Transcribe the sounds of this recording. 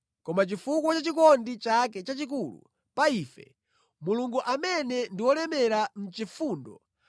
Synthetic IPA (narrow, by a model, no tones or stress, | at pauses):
kɔmat͡ʃifukwɔt͡ʃat͡ʃikɔndit͡ʃak̬ɛt͡ʃat͡ʃik̬uːlṵ | paiːfɛ̰ | muluŋɡuʔamɛnɛndiwɔlɛmɛɾam̩t͡ʃifuːndɔ